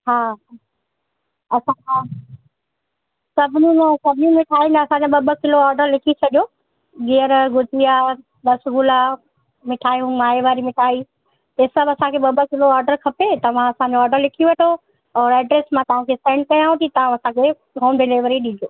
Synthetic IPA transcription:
ɦaːɦ | ɐsãã | sɐbʱɪnũãsɐbʱɪɲũmɪʈʰaːĩːnd̪aɐsãɲd͡ʑoɓɐbəkɪloɔːɾɖəɾlɪkʰit͡ɕʰɐɗijo | ɡiəɾɡʊd͡ʑʱija | d̪ɐsɡʊla | mɪʈʰaːjũmaːeʋaːɾimɪʈʰaːi | t̪esɐbʱɐsãkʰeɓɐbəkɪloaːɾɖəɾkʰɐpet̪ɐʋ̤ãɐsãd͡ʑoɔːɾɖəɾlɪkʰiʋɐʈʰo | ɔːɾɛːɖɾeːsmãt̪ɐʋ̤ãkʰesẽːɳɖ̚kɐjãɦũt̪ʰit̪ɐʋ̤ãɐsãkʰe | ɦoːmɖɪleːʋəɾiɗĩːd͡ʒ̪ʱoː

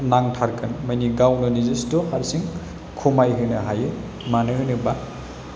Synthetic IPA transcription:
naŋtʰaɾkʰɯnmajniɡawnɯnizistɔhaɾsiŋ | kʰumajɦɯjnɐɦajɯ | manɯɦɯjnɯba

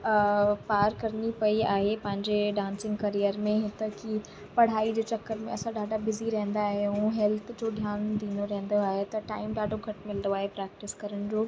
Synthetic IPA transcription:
paːɾkɐɾnipɐiaːɦepɐ̃ɦɪ̃ɲd͡ʑeɖãːnsɪ̃ŋɡkɐɾijəɾmẽɦɪt̪əkʰi | pɐɽ̤aːid͡ʑeːt͡ɕɐkːəɾmḛ̃ɐsãɗaːɖabɪziɾɐɦə̃nd̪aɦeũɦɛlt̪ʰd͡ʑoːd̪ʱjaːnd̪ĩːnd̪oɾɐɦə̃n̆d̪oaːɦet̪ɐʈaːɪmɖaːɖʱoɡʱɐʈmɪlnd̪oaːɦepɾɛːk̚ʈɪskɐɾəɽ̃d͡ʑoː

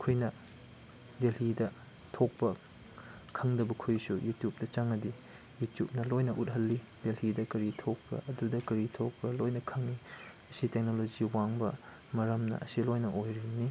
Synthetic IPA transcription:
kʰujnɐ | delidɐ | tʰok̚pɐ | kʰɐŋdɐbɐkʰujsujutjup̚dɐt͡ʃaŋːɐdi | jutjup̚nɐlojnɐʔut̚ɦɐlːi | d̥elhidɐkɐɾitʰok̚pɐ̰ʔɐdudɐkɐɾitʰok̚pɐlojnɐkʰɐŋniɐsitek̚nolod͡ʒiwaŋbɐ | mɐɾɐmnɐ̰ʔɐsilojnɐʔojɾini

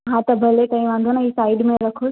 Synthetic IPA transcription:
ɦãt̪ɐbʱɐlek̪ɐ̃ĩʋãːnd̪ʱoniːsaːɪɖmẽɾɐkʰos

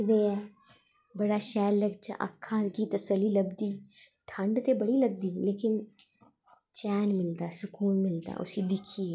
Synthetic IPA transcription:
d̪eːɛː | bɐɽaʃɛːlːɐɡt͡ʃa̰ʔɐ̰kʰːãkit̪ɐsəlːilɐbd̪i | ʈʰə̃ɳɖt̪ebɐɽilɐb̚d̪ileːkɪn | t͡ʃɛːnmɪlt̪asʊkuːlmɪlt̪a̰ʔʊ̰sid̪ɪkʰie

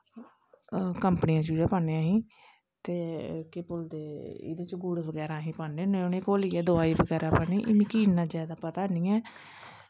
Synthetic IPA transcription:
kəmpənɪjãːt͡ʃuːd͡ʒaːpaːneãːɦĩː | t̪eːkepʊld̪eːḭd̪eːt͡ʃɡuɽebəɡɛːɾãːɦĩːpaːɳeːnẽːʊnẽːkoːliːɛːd̪ʊaːiːbəɡɛːɾaːpaːniːʔɪmĩːkiːnãːzaːd̪aːpət̪aːnĩːɛː

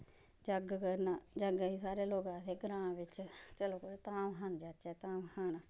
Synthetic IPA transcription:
d͡ʒəɡkəɾnaːd͡ʒəɡaiːsaːɾeːloːɡãːseːɡəɾãːʋɪt͡ʃt͡ʃəloːkəɾt̪aːmɦənd͡ʒaːt͡ʃɛːt̪aːmhən

